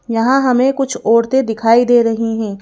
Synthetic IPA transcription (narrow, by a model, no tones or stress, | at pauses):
jɐɦãɦɐmẽkʊt͡ʃʰɔːɾt̪ed̪ɪkʰaːid̪eːɾɐɦiɦɛ̃ː